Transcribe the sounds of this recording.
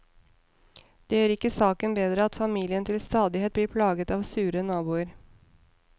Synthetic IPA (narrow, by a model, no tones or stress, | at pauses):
d̪̥ɛjøːɾɪkːəsɑːkənbeːd̪ɾəɑt̪fɑmiːlɪənt̪ʰɪlst̪ɑːd̪ɪheːt̪̚bliːɾpʰlɑːɡət̪ɑːʋsʉːɾənɑːbuːəɾ